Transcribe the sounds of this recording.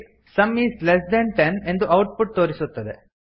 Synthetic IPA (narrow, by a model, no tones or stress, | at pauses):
sɐmːiːslesd̪ɐnʈene̞nd̪uʔɐwʈ̚puʈ̚t̪oːɾisut̪ːɐd̪e